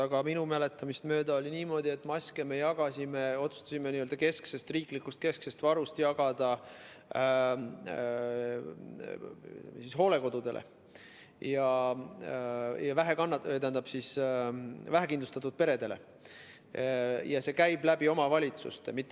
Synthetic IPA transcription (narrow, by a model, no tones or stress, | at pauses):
ɑɡ̥ɑminumele̞t̪ːˑɑmist̪mø̞ːd̪ɑolʲiniːmo̞ːd̪̥ʲie̞t̪ːˑmɑsʲkeme̞jɑɡ̥ɑsʲimeo̞t̪su̥st̪ɑsimeniøld̪ɑke̞skse̞st̪riːklikːust̪̚ke̞sksest̪vɑɾust̪jɑɡ̥ɑd̪̥ɑ | sisɦo̞ːle̞ko̞d̪̥ud̪e̞lḛ | jɑ | jɑvæɦekɑnːɑt̪ænd̪ɑb̥sis | væɦekind̪lust̪ɑt̪ːˑud̪̥̚pe̞ɾe̞d̪e̞le̞̰ | jɑse̞kæjb̥læbio̞mɑvɑlʲit̪sṵst̪emit̪ːˑ